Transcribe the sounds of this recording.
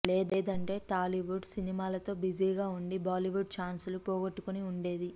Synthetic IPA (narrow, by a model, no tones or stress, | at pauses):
leːd̪eːd̪ɐɳʈe̞ːʈaːliʋuɖsinimaːlɐt̪o̞ːbid͡ʒiːɡaːuɳɖibaːliʋuɖ̚t͡ʃaːnsulupɔːɡɐʈːukuniuɳɖe̞ːd̪i